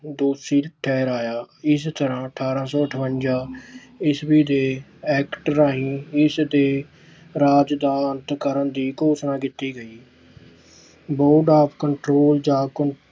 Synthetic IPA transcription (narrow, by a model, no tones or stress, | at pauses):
d̪oːsiːlʈʰɛːɾaːjaːɪst̪əɾãːəʈʰaːɾãːsɔːəʈʰʋənd͡ʒaː | ɪsbiːd̪eːɛːkʈəɾaːɦĩːɪsd̪eː | ɾaːd͡ʒd̪aːənt̪kəɾənd̪iːkoːsnãːkɪt̪ːiːɡəiː | boːɾɖaːpʰkəɳʈɾoːld͡ʒãːkə